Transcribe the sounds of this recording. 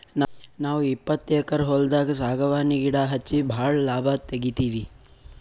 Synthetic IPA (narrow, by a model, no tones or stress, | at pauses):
nnaːʋuipːɐt̪ːjɛkɐɾɦɔld̪aːɡɐsaːɡɐʋaːniɡiɽaːɦɐt͡ʃːibʱaːɭɐlaːbʱaːt̪eɡit̪iːʋi